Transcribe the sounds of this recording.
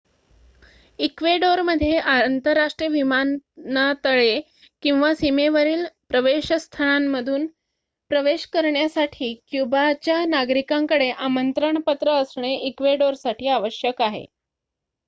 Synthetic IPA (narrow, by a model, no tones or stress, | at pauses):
ikʋeɖoɾməd̪ʱːjeʔant̪əɾːaʂʈɾiəʋimannat̪əɭe | kĩw̃ʋasimeʋəɾiːlpɾəʋeɕst̪ʰəɭ̃amːəd̪ʱuːn | pɾəʋeɕkəɾɳjasaʈʰiːkjubat͡ɕjanaɡɾikaŋkəɽeʔamənt̪ɾəɳpət̪ɾəːsɳ̃eʔikʋeɖoɾsaʈʰiːaʋəɕjəkaɦḛ